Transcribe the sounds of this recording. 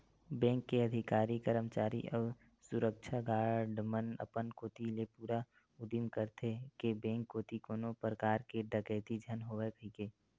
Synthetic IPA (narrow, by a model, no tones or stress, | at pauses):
bɛ̃ːŋkːeəd̪ʱɪkaːɾikəɾəmt͡ʃaːɾḭʔɔː | sʊɾəkt͡ʃʰaɡaːɾɖmənə̰pənkoːt̪ilepuːɾa | ʊd̪imkəɾt̪ʰekebɛ̃ːŋkːoːt̪ikoːnopɾəkaːɾkeɖəɡɛːt̪id͡ʒʱənɦoːʋɛpʰikeː